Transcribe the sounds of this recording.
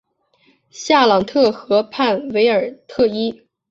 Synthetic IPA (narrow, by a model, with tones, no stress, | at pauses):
ɕja˥˩lɑ˨˩ŋt̪ʰɤ˥˩xɤ˧˥pʰa˥˩nwe˧˥ɪə˞˨˩t̪ʰɤ˥˩i˥